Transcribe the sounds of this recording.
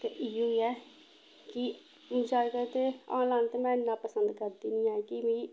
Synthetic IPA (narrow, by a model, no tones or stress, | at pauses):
t̪eʔiːoːiɛː | kɪ | mʊd͡ʒaːkət̪eːã̰ːnlaːnt̪eːmɛ̃ːɪnːãːpəsənd̪kəɾd̪iːnĩːɛ̃ːkɪmĩː